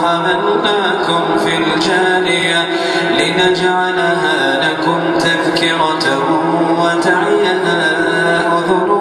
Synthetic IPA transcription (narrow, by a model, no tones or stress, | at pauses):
haːðalʊʔaːkʊmfild͡ʒaːnɪja | lɪnad͡ʒaʕalaɦaːlakʊmt̪aðkɪɾa | h | wat̪aʕɪjahaːla | ʔʊðʊ